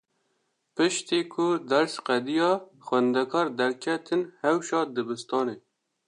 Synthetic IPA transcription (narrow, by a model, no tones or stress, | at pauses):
pɨʃt̪iːkʰʊd̪æɾsqɛd̪ijɑː | xwɛnd̪ɛkʰɑːɾd̪ɛɾkʰɛt̪ʰɨnhɛwʃɑːd̪ɨbɨst̪ɑːneː